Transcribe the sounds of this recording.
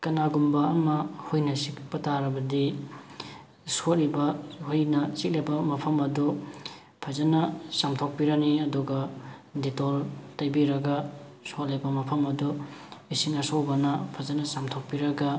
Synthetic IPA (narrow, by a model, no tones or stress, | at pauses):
kɐnaɡumbɐːmɐhujnɐsikpɐtaɾɐbɐdi | sot̚ɾibɐhujnɐt͡ʃik̚lebɐmɐpʰɐmɐdu | pʰɐzɐnɐsamtʰok̚piɾɐniɐduɡɐditoltɐjbiɾɐɡɐsot̚lebɐmɐpʰɐmɐduisiŋɐsowbɐnɐpʰɐzɐnɐsamtʰok̚piɾɐɡɐ